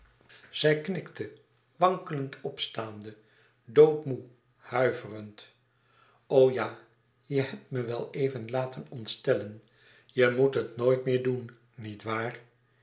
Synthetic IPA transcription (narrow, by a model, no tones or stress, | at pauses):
z̥ɛjknɪktə | ʋɑŋkələntʰɔpstaːndə | dowtmu | hœɥvərənt | owjaː | jəhɛp̚tməʋɛlˠejvənlaːtənɔntstɛlən | jəmutɦətnoːjtmɪːɹdunː | itʋaːr